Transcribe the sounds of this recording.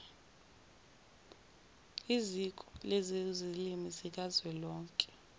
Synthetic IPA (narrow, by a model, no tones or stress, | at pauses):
izikʼɔlezizilimisik̬ʼazwɛlɔːŋkʼɛ̥